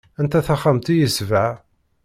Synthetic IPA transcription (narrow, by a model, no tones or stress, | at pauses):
ænt̪æθæχamt̪ijəsvaʕ